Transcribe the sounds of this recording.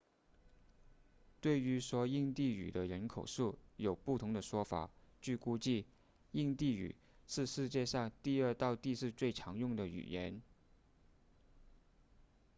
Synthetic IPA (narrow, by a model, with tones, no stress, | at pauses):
t̪we˥˩ɪy˧˥ʂwɔ˥i˥˧ŋt̪i˥˩y̰˨˩d̪ə˦ɻə˧˥nkʰo˨˩ʊʂu˥˩jo˨˩ʊpu˥˩t̪ʰʊ˧˥ŋd̪ə˧ʂwɔ˥fa̰˨˩˦t͡ɕy˥˧ku˥t͡ɕi˥˧ | i˥˧ŋt̪i˥˩y̰˨˩ | ʂɻ̩˥˧ʂɻ̩˥˧t͡ɕjɛ˥˧ʂɑ˥˧ŋt̪i˥˧ə˞˥˧t̪ɑ˥˧ʊt̪i˥˧ʂɻ̩˥˧t͡swe˥˩ɪʈ͡ʂʰɑ˧˥ŋjʊ˥˩ŋd̪ə˩y̰˨˩jɛ˧˥n